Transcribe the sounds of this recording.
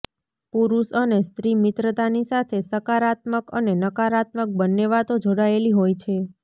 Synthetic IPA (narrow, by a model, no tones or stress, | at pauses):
puɾusənest̪ɾimit̪ɾət̪anisat̪ʰesəkaɾat̪məkənenəkaɾat̪mək̚bənːeʋat̪od͡ʒoɽaeliɦojt͡ʃʰe